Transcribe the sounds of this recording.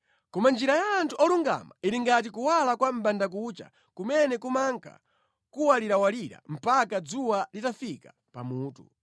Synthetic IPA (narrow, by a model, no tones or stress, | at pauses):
kɔmand͡ʒiɾajaːntʰuɔluŋɡa̰maiɾiŋɡat̬ikuwalakwam̩bandak̬ut͡ʃa̰ | kumɛnɛkumaŋkʰa̰ | kuwaliɾawaliɾa̰m̩pakad͡zuwalitafikḁ | pamuːtṵ